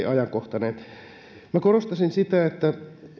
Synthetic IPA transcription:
ʔɑjɑŋkoht̪ɑneːt̪ | mækorost̪ɑsinsit̪æet̪ːæ

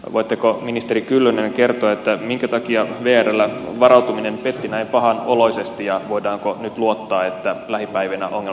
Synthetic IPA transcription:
ʋʔoit̪ːekominist̪e̞ɾikylːønenke̞rt̪oet̪ːæmiŋkæt̪ɑkiɑʋeːærelːæʋɑrɑwt̪uminempet̪ːinæipɑɦɑnolo̞isest̪ijɑʋoidɑːŋkonyt̪luot̪ːɑːet̪ːælæhipæiʋinæʔoŋːe

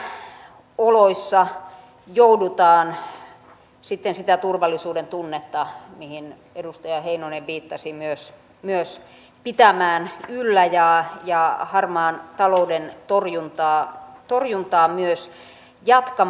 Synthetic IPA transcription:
oloisːɑ | joudut̪ɑːn | sit̪ːensit̪æt̪urʋɑlːˑisuːdent̪unːet̪ːɑmihin | edust̪ɑjɑheinoineʋʋiːt̪ːɑsimyøs | myøs | pit̪æmæːnylːæjɑjɑhɑrmɑːnt̪ɑloudent̪orjunt̪ɑːt̪orjunt̪ɑːmyøs | jɑt̪kɑ

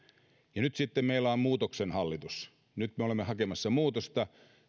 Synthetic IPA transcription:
jɑnyt̪sit̪ːemmeilːˑæommuːt̪oksenhɑlːit̪us | nyt̪meolemːehɑkemɑsːɑmuːt̪ost̪ɑ

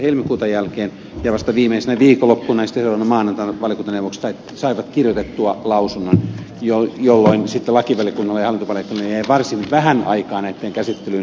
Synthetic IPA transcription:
helmikuːt̪ɑjælkeːn | jɑʋɑst̪ɑʋiːmeisenæʋiːkolːopːunɑjisit̪ːeselɑnɑmɑːnɑnt̪ɑnʋɑljokunt̪ɑneuʋokssɑit | sɑiʋɑt̪kirjot̪et̪ːuɑlɑusunːon | jojolːoinsit̪ːelɑkiʋælijɑkunːɑlːɑjɑhɑlːˑint̪opɑljekːunːɑjæiʋɑrsinʋæhænɑ̰ikɑːnæit̪ːeːŋkæsit̪ːelyn

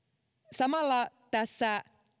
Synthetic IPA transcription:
samalat̪asa

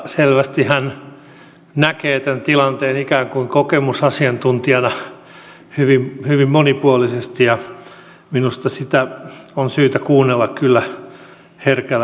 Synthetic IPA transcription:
selʋæst̪ihæn | nækeːt̪ænt̪ilɑnt̪eːnikæːŋkuiŋkokemusɑsiɑnt̪unt̪iɑnɑ | hyʋimhyʋimmonipuolisest̪ijɑ | minust̪ɑsit̪æonsyːt̪ækuːnːelːɑkkylːæ | herkælː

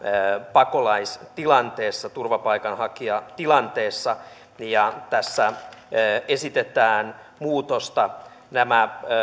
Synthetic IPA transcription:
pɑkolɑist̪ilɑnt̪eːsːɑt̪urʋɑpɑikɑnhɑkiɑt̪ilɑnt̪eːsːɑ | jɑt̪æsːæ | esit̪et̪æːn | muːt̪ost̪ɑ | næmæ

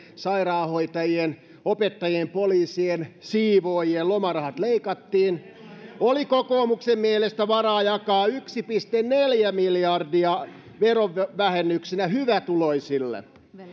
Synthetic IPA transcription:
sɑirɑːhoit̪ɑjien | opet̪ːɑjiempoliːsiensiːʋoːjiellomɑrɑhɑt̪leikɑt̪ːiːn | olikokoːmuksemmielest̪æʋɑrɑːjɑkɑːyksipist̪enneljæmiljɑrdiɑ | ʋeroʋʋæhenːyksinæhyʋæt̪uloisilːḛ

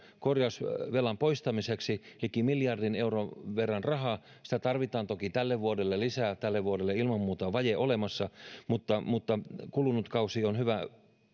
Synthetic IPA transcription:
korjɑsʋelɑmpoist̪ɑmiseksilikːimiljɑrdineuroʋerːɑnrɑɦɑː | si̥t̪æt̪ɑrʋit̪ɑːnt̪okit̪ælːeʋʋuodelːelisæːt̪ælːeʋʋuoɾelːeilmɑmːuːt̪ɑʋɑjeʔolemɑsːɑmut̪ːɑmut̪ːɑkulunut̪kɑusionhyʋæ

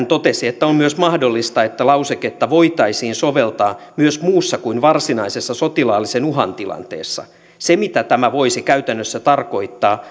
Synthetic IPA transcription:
nt̪ot̪esiet̪ːæommyøsmɑhdo̞lːist̪ɑet̪ːælɑuseket̪ːɑʋo̞it̪ɑisiːnsoʋelt̪ɑː | myøsmuːsːɑkuinʋɑrsinɑisesːɑsot̪ilɑːlːisenuɦɑ̰nt̪ilɑ̰nt̪ḛːsːɑ̰ | semit̪æt̪æmæʋoisikæyt̪ænːøsːæt̪ɑrko̞it̪ːɑː

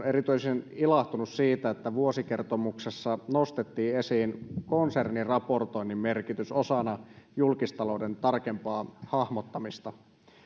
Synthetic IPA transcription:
eɾit̪yisenilɑht̪unussiːt̪æet̪ːæʋuosike̞rt̪omuksesːɑno̞st̪et̪ːiːesiːnkonsernirɑpo̞rt̪o̞inːimme̞rkit̪yso̞sɑnɑjulkist̪ɑlo̞wde̞nt̪ɑrkempɑːhɑhmot̪ːɑmist̪ɑ

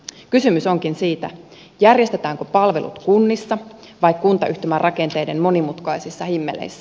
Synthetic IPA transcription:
kysymyso̞ŋkinsiːt̪æ̰ | jærje̞st̪et̪æːŋkopɑlʋe̞̰lʔṵt̪kunːisːɑ | ʋɑjkkunt̪ɑʔyht̪emærɑke̞nt̪e̞jde̞nmo̞nimut̪kɑjsisːɑhimːe̞̰lḛjsːæ

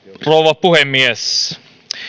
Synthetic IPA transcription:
rowʋɑpuhemːies

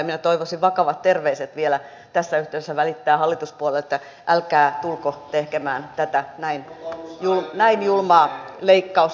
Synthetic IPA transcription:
minæt̪oiʋosiʋʋɑkɑʋɑt̪t̪erʋeiset̪ʋielæ | t̪æsːæyht̪eˑysesːæʋælit̪ːæːhɑlːit̪uspuolelet̪ːæ | ʔælkæːt̪ulkot̪ehkemæːnt̪æt̪ænæinjulmnæinjulmɑːleikːɑus

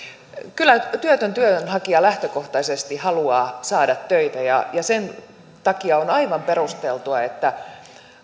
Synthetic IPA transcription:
kylːˑæt̪yøt̪ønt̪yøønhɑkiɑlæht̪økoht̪ɑisest̪ihɑluɑːsɑːdɑt̪tøit̪æjɑ̰jɑsen | t̪ɑkiɑonɑiʋɑmperust̪elt̪uɑet̪ːæ

